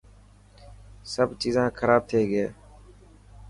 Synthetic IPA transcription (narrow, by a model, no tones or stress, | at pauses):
səbt͡ʃiːzãːkʰəɾaːb̚t̪ʰeːɡeː